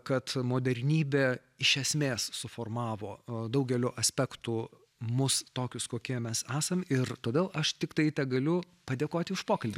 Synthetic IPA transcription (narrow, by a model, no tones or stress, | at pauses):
kɐt̪moːd̪ʲɛɾʲnʲiːbʲeː | ɪʃʲɛsʲmʲeːssʊfoːrmɑːʋoːd̪ɐʊɡʲɛlʲoːʔɐsʲpʲækt̪u | mʊst̪oːkʲʊskoːkʲiɛmʲɛsæːsɐmɪrt̪oːd̪ʲeːlˠɐʃt̪ʲɪkt̪ɐɪt̪ʲɛɡɐlʲʊ | pɐd̪ʲeːkoːt̪ʲɪʊʃpoːkɐlʲbʲɪ